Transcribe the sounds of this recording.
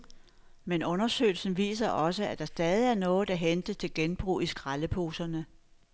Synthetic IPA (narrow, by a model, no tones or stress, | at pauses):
menɔ̽nɐsø̰ɪl̩sn̩ʋḭːsɐʔɒ̽səæd̥ɑ̈sd̥ɛːð̞ˠiæɐnɔ̽ːð̩ˠd̥æɦend̥ət͡sʰe̝lɡ̥enb̥ʁṵːisɡ̥ʁaləpʰo̝ːsɐnə